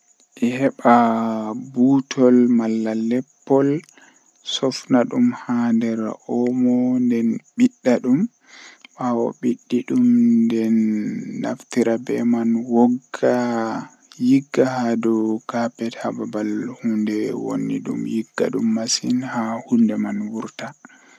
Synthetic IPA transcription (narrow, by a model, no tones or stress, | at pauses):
ʔɛhɛɓa | butʰɔlmalːalɛpːɔl | sɔfnaɗumhandɛɾʔɔmɔndɛnɓiɗːaɗum | ɓawɔ̰ɓiɗːiɗumndɛnːa̰ftiɾabɛ̰manwɔɡa | jiɡːahadɔkapɛthababalhundɛwo̰nːḭɗṵmjiɡːa̰ɗumːasinhahundɛmanwuɾta